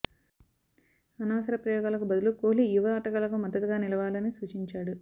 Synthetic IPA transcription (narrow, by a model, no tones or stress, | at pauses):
ɐnaːɐsɐɾɐpɾɐjɔːɡaːlɐkubɐd̪ulukoːlijuʋɐːʈɐɡɐlɐkumɐd̪ːɐt̪uɡaːnilɐʋaːlɐnisuːt͡ʃiɲt͡ʃaːɽu